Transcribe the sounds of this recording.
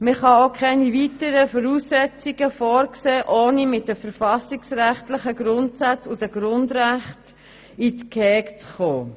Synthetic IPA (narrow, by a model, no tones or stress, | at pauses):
məχɑokʰɛnivitəɾəfɔɾuːsːɛt͡siɡəfɔːɾkseːʔoːnimɪt̚dəfəɾfɑsiksræχtlɪχəɡɾʊntsat͡sud̥əɡ̥ɾʊndræχt | it͡skʰɛːkt͡sχoː